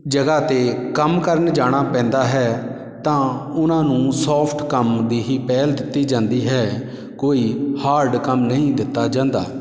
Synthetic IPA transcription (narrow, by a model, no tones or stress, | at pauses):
d͡ʒəɡaːt̪eːkəmkəɾənd͡ʒaːɽ̃aːpɛ̃ːnd̪aːɦɛː | t̪ãːʊnãːnũːsɔːpʰʈkəmd̪iːɦiːpɛːld̪ɪt̪ːiːd͡ʒãːnd̪iːɦɛː | koːiːhaːɾɖkəmnəɦĩːd̪ɪt̪ːaːd͡ʒãːnd̪aː